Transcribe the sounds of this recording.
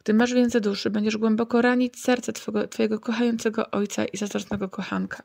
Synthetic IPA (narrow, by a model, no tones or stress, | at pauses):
ɡ̥d̪ɘmaʐvʲjɛnt̪zɛd̪uʂɘbɛɲd͡ʑɛʐɡwɛmbɔkɔɾaɲit͡ɕsɛɾt̪sɛt̪ɡt̪fɔjɛɡɔkɔxajɔnt̪sɛɡɔ̰ʔɔjt̪sa̰ʔizazɾɔsnɛɡɔkɔxaŋkʰḁ